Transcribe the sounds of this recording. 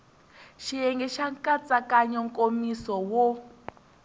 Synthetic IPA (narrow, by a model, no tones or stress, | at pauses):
ʃijɛŋɡɛʃaŋkʼat͡sʼakaɲɔŋkʼomisɔwɔ